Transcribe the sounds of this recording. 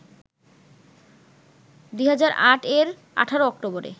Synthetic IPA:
d̪uɦad͡ʑaɾaʈʰeɾ | a̰ʈʰaɾoɔkʈoboɾḛ

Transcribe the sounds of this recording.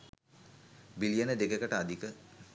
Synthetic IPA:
bilijɐnəd̪eɡekɐʈəad̪ʱikə

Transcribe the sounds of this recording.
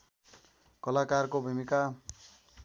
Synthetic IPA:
kʌlakarkobʱimika

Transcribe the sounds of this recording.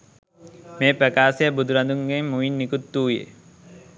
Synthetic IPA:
meːpɾɐkaːsejəbud̪ʱuɾɐnd̪uŋɡemːuʋinːikut̪ːuːjḛ

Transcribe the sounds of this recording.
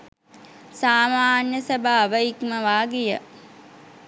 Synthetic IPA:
saːmaːnjəsɐbʱaːʋəikməʋaːɡijə

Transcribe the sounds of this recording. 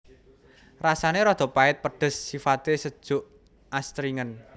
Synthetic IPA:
rasaneɾɔd̪̥ɔ̤paɪt̪̚pəɖ̪̥ə̤sːifat̪esəd̥ʒ̥ʊʔ | ʔast̪ɾiŋən

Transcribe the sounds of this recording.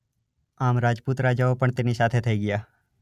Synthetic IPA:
aːmɾaːd͡ʒput̪ɾad͡ʒəʋpəɳt̪ɪnisaːt̪ʰet̪ʰeiɡɪjaː

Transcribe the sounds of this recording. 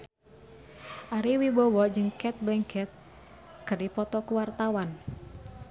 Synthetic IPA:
ʔaɾiwibɔwɔd͡ʒɨŋkɛt̪̚bɛŋkʰɛt̪̚ | kɨrdipɔt̪ɔkuwart̪awan

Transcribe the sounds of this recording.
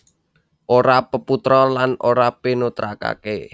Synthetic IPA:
ʔoɾapəput̪ɾɔlanoɾapinut̪ɾa̰ka̰ke

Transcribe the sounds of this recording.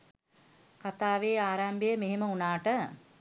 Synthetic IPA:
kat̪aːʋeːaːɾambejəmeɦeməunaːʈə

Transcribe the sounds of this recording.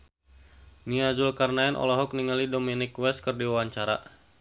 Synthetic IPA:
niad͡ʒʊlkarnaɛnʔɔ̰lɔɦɔk̚niŋalidominɪkwɛs̚kɨrdiwawaɲt͡ʃaɾa̰

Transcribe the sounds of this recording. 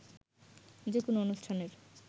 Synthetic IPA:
d͡ʑekonoonuʃʈʰaneɾ

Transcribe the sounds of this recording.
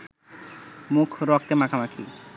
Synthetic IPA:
mukʰɾɔk̚t̪emakʰamakʰi

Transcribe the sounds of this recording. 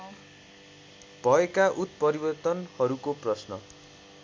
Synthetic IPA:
b̥ʱʌekaʔut̪̚pʌɾibʌrt̪ʌnhʌɾukoprʌsnʌ̰

